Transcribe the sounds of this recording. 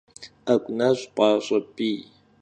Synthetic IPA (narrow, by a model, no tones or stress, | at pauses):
akʷʼunazʷipʼaʂʷapʼi